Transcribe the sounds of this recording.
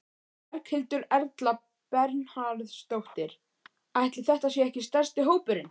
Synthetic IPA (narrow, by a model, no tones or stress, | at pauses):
ɾkhɪlt̪ʏɾɛɾt̪la | pɛɾnhaɾðst̪owht̪ɪɾ̥ | ajht̪lɪθɛht̪asjɛɛhcɪst̪ɛr̥st̪ɪɦoːwpʏɾɪn